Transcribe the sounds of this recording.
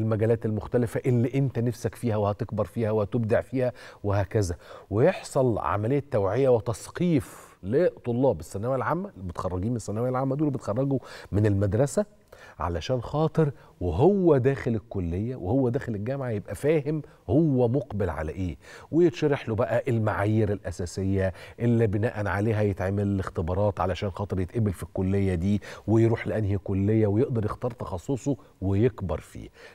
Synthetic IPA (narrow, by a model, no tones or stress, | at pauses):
lmæɡæːlæːt̪elmoxt̪ælɪfæʔelːiʔent̪ænæfsækfiːhæwehæt̪ekbɑɾˤfiːhæwehæt̪eb̚d̪eʕfiːhæwehæːkæzæwejeħsˤɑlʕa̰mælejːæt̪ːæwʕejːæwet̪ɑsˤqiːflet̪ˤolːɑːbesːænːæwæælʕamːæmet̪xɑrˤːɑɡiːmenesːænːæwæjælʕamːæd̪uːlbet̪xɑrˤːɑɡumɪnelmæd̪ɾˤɑsæ | ʕa̰læʃæːnxɑːt̪ˤeɾ | weɦowːæd̪æːxelekːolːejːæwehowːæd̪æːxelelɡæmʕajebʔæfæːhem | howːæmoqbelʕa̰læ̰ʔeːwejet̪ʃɑɾɑħlobæʔæʔelmaʕaːjiːɾelʔæsæːsejːæʔelːibenæːʔænʕaleːɦæjet̪ʕemellext̪ebɑɾˤɑːt̪ʕalæʃæːnxɑːt̪ˤɨɾjet̪ʔebelfikːolːejːæd̪iːwejɾuːħlæʔænhikolːejːæwejeʔd̪ɑɾˤjext̪ɑːɾˤt̪ˤɑxɑsˤːosˤo | wejekbɑɾˤfḭː